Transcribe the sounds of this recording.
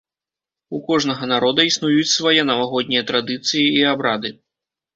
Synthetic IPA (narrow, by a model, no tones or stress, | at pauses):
ukɔʐnɐɣɐnaɾɔd̪ɐisnujut͡sʲsvajɛnɐvaɣɔd̪ʲnʲijɐt̪ɾad̪ɨt̪sɨjiiabɾad̪ɨ